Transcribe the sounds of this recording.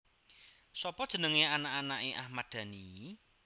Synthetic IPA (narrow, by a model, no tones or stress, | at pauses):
sɔpɔd̥ʒ̥ə̤nəŋeanaʔanaʔeʔahmad̪̥a̤ni